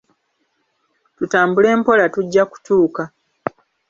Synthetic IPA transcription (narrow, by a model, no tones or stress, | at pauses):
tutaːmbule̞ːmpo̞latuɟːaku̥tuːka